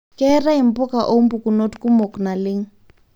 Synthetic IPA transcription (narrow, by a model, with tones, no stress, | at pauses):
kɛ˦ra˦i˨m̩˦pʊ˦ka˨ʔo˦m̩˦bu˨ku˨no˦tku˦mo˨kna˨lɪ˦ŋ̩˦